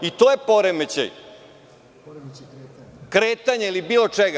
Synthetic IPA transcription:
it̪ojepo̞ɾemet͡ɕḛj | kɾeːt̪aɲeilibiːlˠo̞t͡ʃeɡa

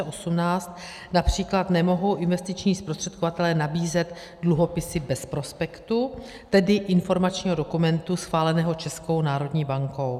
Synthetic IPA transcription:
ɛʔo̞sumnaːst̪ | napr̝̥iːklat̪nɛmo̞ɦo̞wʔɪnvɛst̪ɪt͡ʃɲiːspɾost̪r̥ɛt̪̚kovat̪ɛlɛnabiːzɛt̪ | dluɦo̞pɪsɪbɛspɾo̞spɛkt̪u | t̪ɛdɪʔɪnfo̞ɾmat͡ʃɲiːɦo̞do̞kumɛnt̪usxvaːlɛnɛːɦo̞t͡ʃɛsko̞wnaːɾo̞dɲiːbaŋko̞w

